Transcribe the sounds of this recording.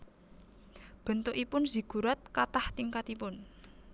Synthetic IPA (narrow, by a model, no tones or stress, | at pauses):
b̥ə̤nt̪oʔipʊnz̥i̤ɡ̥uɾat̪̚kat̪aht̪iŋkat̪ipʊn